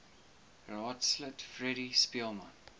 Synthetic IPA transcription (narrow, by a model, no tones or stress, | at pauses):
ɹɑːtslətfɹɛɾispiəlmãn